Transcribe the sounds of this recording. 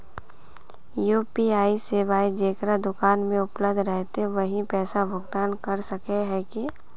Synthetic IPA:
juːpiaːisebaːid͡ʒeːkɾad̪ʊkaːnmẽʊpləbd̪ʱɾɛɦt̪eʋɐɦĩpɛːsabʱʊɡd̪aːnkɐɾsɐkeɦɛki

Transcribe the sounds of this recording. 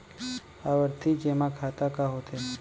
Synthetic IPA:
aʋəɾt̪ʰid͡ʒemãkʰat̪akaɦot̪ʰe

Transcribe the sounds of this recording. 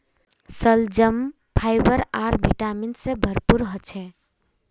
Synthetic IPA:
səld͡ʒəm | pʰajbəɾaɾbʱiʈaminsẽbʱəɾpuɾɦət͡ʃʰɛ

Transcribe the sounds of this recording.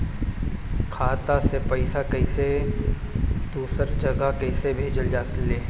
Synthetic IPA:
kʰaːt̪asepɐɪsakɐɪse | d̪̥uːsəɾd͡ʒɐɡakɐɪsebʱeːd͡ʒəld͡ʒaːslːeː

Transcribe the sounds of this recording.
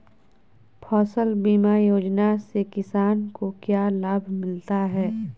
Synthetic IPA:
pʰɔːsəlbiːmajoːd͡ʒnasekɪsaːnkokjaːlaːbʱmɪlt̪aɦɛː

